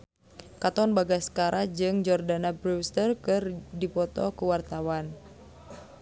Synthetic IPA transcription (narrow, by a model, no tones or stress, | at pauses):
kat̪ɔnbaɡasə̥kaɾʔad͡ʒɨŋd͡ʒɔrdanabɾust̪ərkɨrdipɔt̪ɔ̰kuwart̪awan